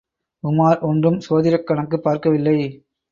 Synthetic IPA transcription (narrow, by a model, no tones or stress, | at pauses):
ʊmaːɾʔɔndrɯmsoːðɪɾɐkːɐɳɐkːɯpːaːɾkɐʋɪlːɐɪ